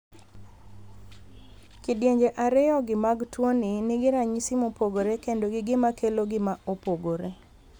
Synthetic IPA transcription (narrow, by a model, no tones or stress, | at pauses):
kidjeɲd͡ʒeʔaɾɪjɔɡɪmaɡtwoninɪɡɪɾaɲisɪmopoɡoɾekendoɡɪɡɪmakeloɡɪmaopoɡoɾe